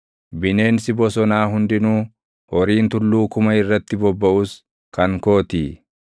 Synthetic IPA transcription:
bɪne̞ːnsɪbɔsɔnaːɦʊnd̪ɪnuː | hɔɾiːnt̪ʊlːuːkʊmɐɪrːɐt̪ːɪbɔbːɐʔus | kɐŋko̞ːt̪iː

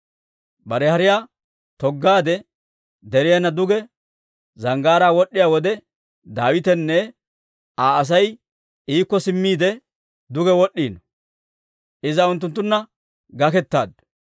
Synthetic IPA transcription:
bɐɾɛhɐɾɪjaː | t̪ɔɡːaːd̪ɛ | d̪ɛɾɪjɐnːɐd̪ʊɡɛ | zɐŋɡaːɾaːwɔɗːɪjaːwɔd̪ɛ | d̪aːwɪt̪ɛnːɛ | aːɐs̬ɐj | iːkːɔsɪmːiːd̪ɛ | d̪ʊɡɛwɔɗːiːnɔ | ʔɪzɐʊnt̪ːʊnt̪ːʊnːɐ | ɡɐkɛt̪ːa̰ːd̪

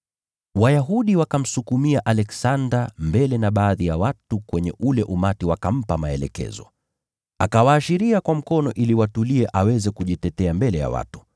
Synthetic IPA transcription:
wajaɦuɗiwakam̩sukumiaʔalɛksandambɛlɛnaɓaːðijawatukwɛɲɛ̰ʔulɛʔumatiwakam̩pamaɛlɛ̰kɛ̰zɔ̰ | akawaːʃiɾiakwam̩kɔnɔʔiliwatuliɛʔawɛzɛkuʄitɛtɛambɛlɛja̰wa̰tu̥

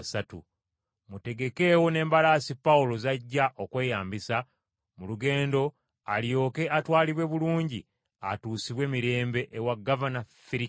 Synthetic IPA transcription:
satṵ | mute̞ɡe̞ke̞ːwone̞ːmbalaːsipːawulo̞zaɟːaʔo̞kwe̞ːjaːmbisa | muluɡe̞ːndo̞ | aljo̞ːke̞atwaːliβwe̞βuluːɲɟi | a̰tuːsiβwe̞ːmiɾe̞ːmbe̞ʔewaɡːavanafiɾi

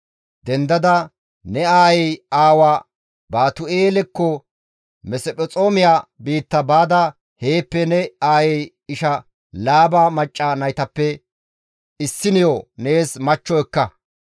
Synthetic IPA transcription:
d̪ɛnd̪ɐd̪ɐ | nɛaːjɛjaːwaː | baːt̪ʊeːlɛkːɔ | mɛsɛpʼɛt͡sʼoːmɪjaːbiːt̪ːɐbaːd̪ɐ | he̞ːpːɛnɛaːjɛj | ɪʃɐ | laːbamɐt͡ʃʼːanɐjt̪ɐpːɛ | ɪsːɪnɪjone̞ːsmɐt͡ʃːɔɛkːɐ

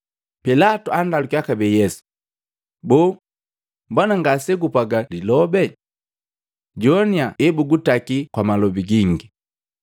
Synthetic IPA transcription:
pɛlatuandalukjakabɛjɛsu̥ | bɔː | mbwanaŋɡasɛɡupaɡalilɔbɛ | ɟɔniaɛbuɡutakikwamalɔbiɡiŋɡi

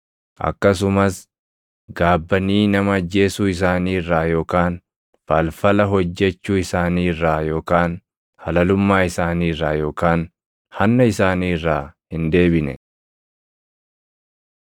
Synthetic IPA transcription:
ʔɐ̰kːɐs̬ʊmɐs | ɡaːbːɐniːnɐmɐɐd͡ʒːe̞ːsuːɪs̬aːniːrːaːjo̞ːkaːn | fɐlfɐlɐɦɔd͡ʒːɛt͡ʃːuːɪsaːniːrːaːjo̞ːkaːn | hɐlɐlʊmːaːɪsaːniːrːaːjo̞ːkaːn | hɐnːɐɪsaːniːrːaːhɪnd̪e̞ːbɪnɛ̰

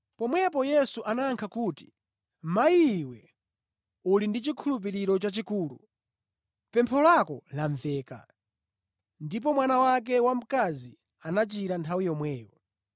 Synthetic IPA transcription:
pɔmwɛpɔjɛsuʔanaːŋkʰakuːti̥ | maiwɛ | ulindit͡ʃikʰulup̬iɾiɾɔt͡ʃat͡ʃikuːlṵ | pɛmpʰɔlakɔ̰laɱvɛːka̰ | ndip̬ɔmwanawak̬ɛwam̩kazi | anat͡ʃiɾantʰawijɔmwɛːwɔ

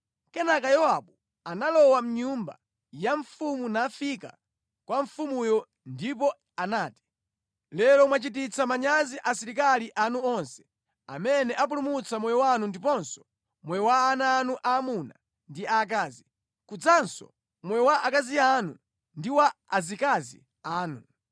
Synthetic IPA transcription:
kɛnak̬ajɔaɓu | analɔwam̩ɲumba̰ | jaɱfumunafika̰ | kwaɱfumujɔ | ndip̬ɔ | anaːti̥ | lɛɾɔmwat͡ʃitit͡samaɲaziʔasiɾikaliʔanuɔnsɛ̥ | a̰mɛnɛʔap̬ulumut͡samwɛjɔwanundip̬ɔnsɔ̥ | mwɛwaːnaːnuʔaːmuna̰ | ndiaːk̬aːzi | kud͡zansɔ̰ | mwɛwaʔakazianu | ndiwaːzikazḭ | aːnu

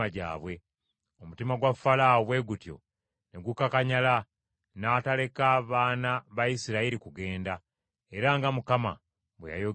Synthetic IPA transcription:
aɟa̰ːβwe̞ | o̞mutimaɡwafalaβwe̞ɡutjo̞̰ | ne̞ɡukakaɲala | natale̞kaːβaːnaβajisiɾaiɾikuɡe̞ːnda | eɾaŋɡamukama̰ | βweja̰jo

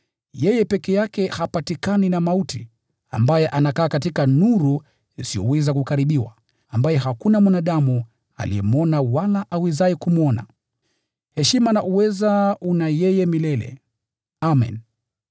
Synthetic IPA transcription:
jɛjɛpɛkɛjakɛhapatikaninamautḭ | a̰mbajɛʔanakaːkatikanuɾu | isijɔ̰wɛzakukaɾiɓiwa̰ | ambajɛɦakunamwanaɗamu | a̰lḭɛmuɔnawalaʔawizaɛkumuɔna̰ | hɛʃimanaʔuwɛzaunajɛjɛmilɛlɛ̰ | amɛ̰n

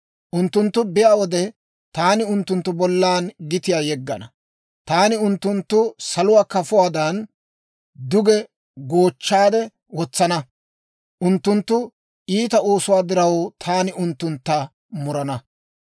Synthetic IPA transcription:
ʔʊnt̪ːʊnt̪ːʊbɪjaːwɔd̪ɛ | t̪aːnɪʊnt̪ːʊnt̪ːʊbɔlːaːnɡɪt̪ɪjaːjɛɡːɐnɐ | t̪aːnɪʊnt̪ːʊnt̪ːʊsɐlʊwaːkɐfʊwaːd̪ɐn | d̪ʊɡɛ | ɡo̞ːt͡ʃːaːd̪ɛ | wɔt͡sːɐnɐ | ʔʊnt̪ːʊnt̪ːʊ | ʔiːt̪ɐoːsʊwaːd̪ɪɾɐwt̪ʰaːnɪʊnt̪ːʊnt̪ːɐ | mʊɾɐnɐ

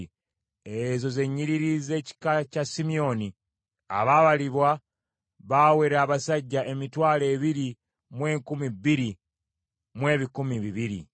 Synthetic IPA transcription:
ezo̞ze̞ɲːiɾiɾize̞ːci̥kacasimio̞ni | a̰βaβaliβwa | βawe̞ɾaːβasaɟːaʔe̞mitwaːle̞ːβiɾi | mwe̞ːŋkumibiɾi | mwe̞ːβikumiβiβiɾḭ

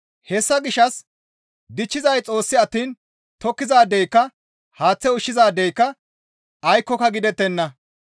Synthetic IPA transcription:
hɛsːɐɡɪʃɐs | d̪ɪt͡ʃːɪzɐjt͡sʼo̞ːsːɪɐt̪ːiːn | t̪ɔkːɪzaːd̪ɛjkːɐ | haːt͡sːɛʊʃːɪzaːd̪ɛjkːɐ | ɐjkːɔkɐɡɪd̪ɛt̪ːɛnːɐ

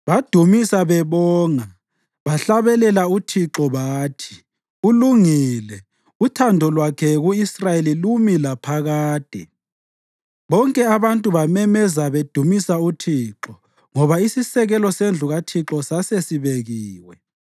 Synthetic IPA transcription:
βad̥ʱumisaβɛβɔːŋa | βaɬaβɛlɛlautʰiǁɔβaːtʰi̥ | uluŋiːlɛ | utʰandʱɔlwakʰɛɣuisrajelilumilapʰaɣaːd̥ʱɛ̰ | βɔŋkʼɛaβantʼuβamɛmɛzaβed̥ʱumisautʰiǁɔ | ŋɔβaisisɛɣɛlɔsend͡ɮʱuɣatʰiǁɔsasesiβeɣiːwɛ

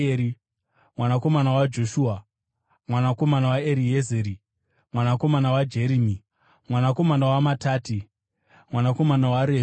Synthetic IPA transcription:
eɾi | mwanako̞manawad͡ʒo̞ʃuːa | mwanako̞manawaeɾijezeɾi | mwanako̞manawad͡ʒe̞ɾimi | mwanako̞manawamataːti | mwanako̞manawaɾe

